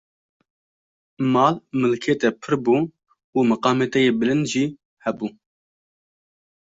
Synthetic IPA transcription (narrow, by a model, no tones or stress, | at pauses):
mɑːlmɨlkʰeːt̪ɛpʰɨɾbuː | uːmɨqɑːmeːt̪ɛjeːbɨlɨnd̪ʒiː | hɛbuː